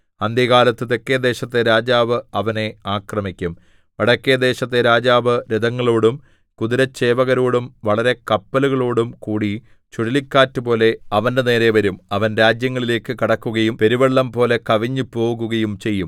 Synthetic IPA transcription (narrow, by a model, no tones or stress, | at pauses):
ɐnd̪jɐɣaːlɐt̪ːɨt̪ekːed̪e̞ːɕɐt̪ːe̞ɾaːd͡ʑaːʋɨɐʋɐne̞aːkrɐmikʲːum | ʋɐɽɐkːed̪e̞ːɕɐt̪ːeɾaːd͡ʑaːʋɨɾid̪ɐŋːɐɭoːɽum | kud̪iɾɐt͡ɕːe̞ːʋɐɣɐɾo̞ːɽumʋɐɭɐɾe̞kɐpːɐluɣɐɭoːɽumkuːɽi | t͡ɕuɽilikʲːaːtːɨpo̞ːle̞ɐʋɐnde̞ne̞ːɾe̞ʋɐɾumɐʋɐnɾaːd͡ʑjɐŋːɐɭile̞ːkːɨkiɽɐkːuɣɐjumpe̞ɾiʋɐɭːɐmpo̞ːle̞kɐʋiɲːɨpo̞ːɣuɣɐjumt͡ɕe̞jːum